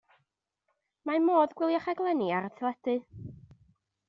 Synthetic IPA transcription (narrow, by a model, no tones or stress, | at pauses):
mamoːðɡwɪlˠjaχaɡlˠɛniaɾətʰlˠɛdɨ